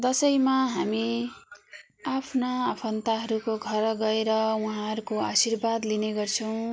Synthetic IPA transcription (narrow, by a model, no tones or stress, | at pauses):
d̪ʌsʌjmaɦami | apʰnaːpʰʌnt̪aɦʌɾukoɡʱʌɾɡʌeɾʌwuɦãɦʌɾukoasirbad̪lineɡʌrt͡sʰʌw̃